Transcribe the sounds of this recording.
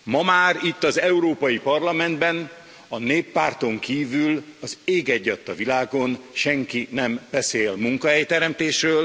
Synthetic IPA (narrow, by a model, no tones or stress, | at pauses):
mɒmaːɾit̪ːɒzɛuɾoːpɒjipɒrlɒmɛnd̪bɛn | ɒneːpːaːrt̪o̞ŋkiːvylɒzeːɡɛɟːɒt̪ːɒvilaːɡo̞nʃɛŋkinɛmb̥ɛseːlmuŋkɒɦɛjt̪ɛɾɛmt̪eːʃrøːl